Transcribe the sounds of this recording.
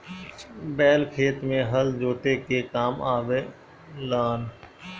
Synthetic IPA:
bɛːlkʰeːt̪mẽɦəld͡ʒoːt̪ekekaːmaːʋe | laːn

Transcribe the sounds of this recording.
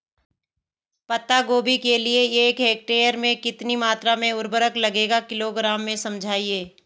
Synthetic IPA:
pɐt̪aɡoːbikelieeːkeːk̚ʈeːjəɾmẽkɪt̪nimaːt̪ɾamẽʊɾbəɾəklɐɡeːɡakɪloɡɾaːmːẽsɐ̃md͡ʒʱaːieː

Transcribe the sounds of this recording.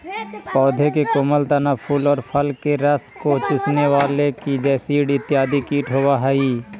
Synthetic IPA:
pɔːd̪ʱekekʊməlt̪anapʰuːlɔːɾpʰəlkeɾəskot͡ʃʊsnewaːlekid͡ʒɛːsiːɽɪt̪ːɪjaːd̪ikiːʈɦowaɦɛiː

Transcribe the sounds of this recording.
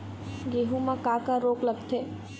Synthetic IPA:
ɡeːɦumãkaːkaɾoːkləɡt̪ʰeː

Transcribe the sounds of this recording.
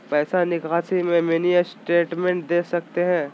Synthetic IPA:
pɛːsanɪkaːsimẽmeniəsʈeːʈmẽɳʈ̚d̪eːsɐk̚t̪eɦɛ̃ː

